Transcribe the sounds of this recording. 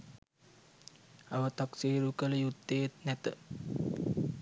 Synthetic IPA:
aʋət̪aksiːɾukələjut̪ːejet̪næt̪ə

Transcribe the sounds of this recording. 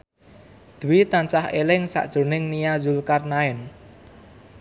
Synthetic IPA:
d̪̥uwit̪ansahelɪŋsa̰ʔd̥ʒ̥o̤nɪŋnijazulkarnaɪn

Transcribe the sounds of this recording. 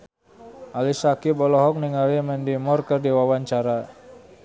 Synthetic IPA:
ʔalisakibɔlɔɦɔk̚niŋalimɛndimɔrkərdiwawaɲt͡ʃaɾa

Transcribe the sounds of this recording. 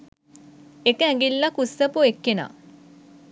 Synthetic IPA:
ekəæŋɡilːakusːəpuekːena̰ː

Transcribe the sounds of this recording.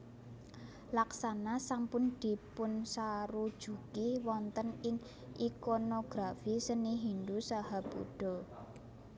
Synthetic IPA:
laksanasampʊnd̪̥i̤pʊnsaɾud̥ʒ̥ukiwɔnt̪ənɪŋ | ʔikonoɡ̥ɾafisəniɦind̪usahab̥ṵɖ̥ɔ̤

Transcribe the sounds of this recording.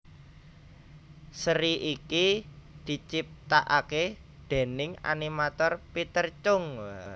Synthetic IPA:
səɾiʔikid̪̥i̤t͡ʃip̚t̪aʔake | d̪̥e̤nɪŋa̰nimat̪ɔrpit̪ərt͡ʃʊŋ

